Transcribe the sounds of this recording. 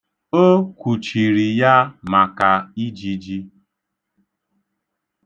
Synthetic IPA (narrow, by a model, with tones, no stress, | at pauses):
o˦kʷu˨t͡ʃi˨ɾi˨ja˦ma˨ka˨i˦d͡ʒi˨d͡ʒi˦